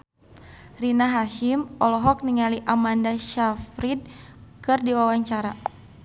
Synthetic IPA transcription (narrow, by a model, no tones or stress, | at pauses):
rinaɦaʃimɔlɔɦɔk̚niŋaliʔamandaʃafɾid̚kɨrdiwawaɲt͡ʃaɾa